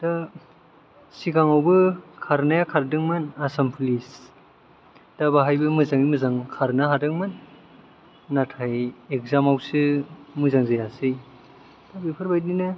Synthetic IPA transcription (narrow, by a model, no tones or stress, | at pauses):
d̥a | siɡaŋawbɯkʰaɾnajakʰaɾdɯŋmɯnasampʰlis | d̥abaɦajbɯmɯzaŋimɯzaŋkʰaɾnaɦadɯŋmɯn | atʰajek̚zamawsɯmɯzaŋzajasɯj | d̥abipʰɯɾbajdinɯ